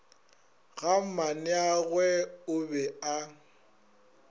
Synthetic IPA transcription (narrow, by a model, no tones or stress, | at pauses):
ɣam̩manɪaɣwɛʊbɛa